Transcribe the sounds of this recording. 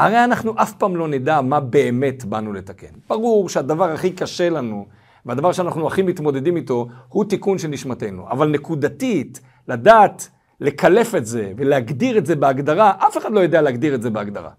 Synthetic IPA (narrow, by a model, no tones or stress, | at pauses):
aʁe̞janaχnuʔafpaːmlo̞nid̪amabe̞ːme̞tbanule̞t̪ake̞̰nb̥aʁuʁʃead̪avaʁaχikaʃe̞lanu | vead̪avaʁʃeanaχnuaχimit̪mo̞d̪e̞d̪imit̪o̞hut̪ikunʃelniʃmatejnṵʔa̰valne̞kud̪atit | lad̪aːt | le̞kale̞fe̞tze̞ve̞leaɡd̪iʁetze̞beaɡd̪aʁaʔafe̞χadlo̞jod̪ealeaɡd̪iʁetzebeaɡd̪a̰ʁa̰